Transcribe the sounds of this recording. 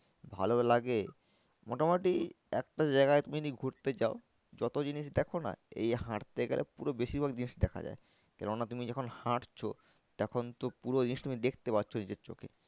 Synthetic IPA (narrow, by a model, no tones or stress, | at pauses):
bʱa̰lolaɡe | mɔʈamoʈi | ɛkʈad͡ʑaɪɡaet̪uminiɡʱuɾt̪et͡ɕao | d͡ʑɔt̪od͡ʑiniʃ̬d̪ɛkʰona̰ḛjɦãʈt̪eɡḛlʔḛpuɾobeʃiɾbʱaɡd͡ʑiniʃd̪ɛkʰa̰d͡ʑa̰e | kɛloŋnat̪umid͡ʑɔkʰonhaʈt͡ɕʰo | t̪ɛkʰont̪opuɾod͡ʑiniʃt̪umid̪ekʰt̪epatːɕʰonid͡ʑeɾt͡ɕo̰kʰḛ